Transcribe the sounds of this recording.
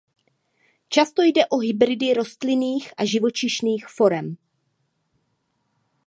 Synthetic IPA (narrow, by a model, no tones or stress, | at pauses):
t͡ʃast̪o̞jdɛʔo̞ɦɪbɾɪdɪɾo̞st̪lɪniːxʔaʒɪvo̞t͡ʃɪʃniːxfo̞ɾɛm